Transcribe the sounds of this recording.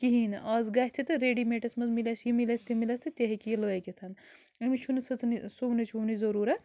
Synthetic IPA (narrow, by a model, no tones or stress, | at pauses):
kiɦinʔɐzɡɐɦʲt͡ʃʰit̪ɨɾeːɖimeʈɐsmɐzmilɐsjimilɐst̪imilɐst̪ɨt̪ʲeɦikijloekʲit̪ʰɐn | ɐmit͡ʃʰunisɐt͡snisuʋnit͡ʃʰunizɐɾuːɾɐt̪ʰ